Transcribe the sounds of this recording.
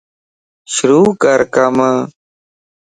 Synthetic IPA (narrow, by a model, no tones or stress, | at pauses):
ʃʊɾuːkəɾkəmə